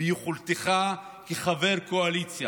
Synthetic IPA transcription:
juχult̪eχa | keχaveʁkoalit͡sja

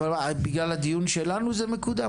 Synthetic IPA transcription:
alabiɡlalad̪ijunʃelanuzɛmekud̪a

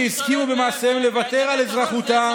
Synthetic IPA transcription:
iskimube̞maːsemle̞vat̪e̞ʁalezʁaχut̪a

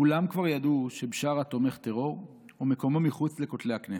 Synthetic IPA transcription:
kulamkvaʁjad̪uʃe̞bʃaʁat̪o̞me̞χt̪e̞ʁo̞ʁ | omeko̞momiχut͡sle̞kot̪lehaknese̥

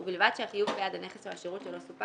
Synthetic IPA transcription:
ubilvad̪̥ʃeaχijuvbejad̪aneχesehaʃiʁut̪ʃelo̞supa

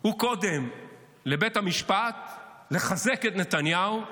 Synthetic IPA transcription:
huko̞d̪em | le̞be̞thamiʃpat̪le̞χaze̞ket̪ne̞t̪anjau

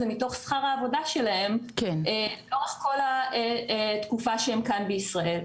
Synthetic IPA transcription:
zemito̞χsχaʁaːvo̞daʃelahe̞mkeneloʁaχko̞laetkufaʃeemkanbeisʁae̞l

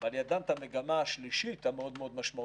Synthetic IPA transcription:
valjad̪ant̪ame̞ɡamaːʃliʃit̪hameo̞d̪meo̞d̪maʃma

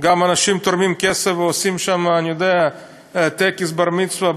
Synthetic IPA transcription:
ɡamanaʃimt̪oɾmimkesefveosimʃamanijod̪ea | t̪ekisbaɾmit͡sva

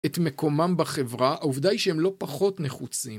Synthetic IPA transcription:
et̪me̞ko̞mambaχe̞vʁaauvd̪aiʃeemlo̞paχo̞tne̞χut͡sim

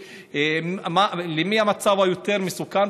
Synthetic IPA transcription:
malemiamat͡savajot̪eʁmesukan

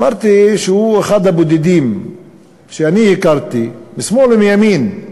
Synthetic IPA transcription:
maɾt̪iʃehuexad̪abod̪id̪iːm | ʃeanijikaɾt̪imismolmijamiːn

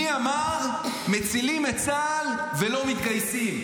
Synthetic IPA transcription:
iamaʁmet͡silimet͡sal | ve̞lo̞mit̪kajsim

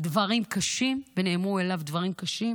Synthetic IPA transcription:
d̪vɐʁimkaʃimbeneːmuelavd̪vɐʁimkaʃim

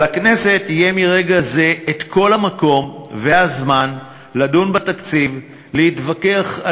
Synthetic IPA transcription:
akne̞se̞tijemiʁe̞ɡaze̞eːtkʰo̞lhamako̞mveazman | ladunbatakt͡siv | lehitvakeaχa

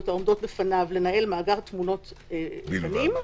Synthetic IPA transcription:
taomd̪o̞tlefanavle̞nae̞lmaːɡaʁt̪muno̞tlefanim

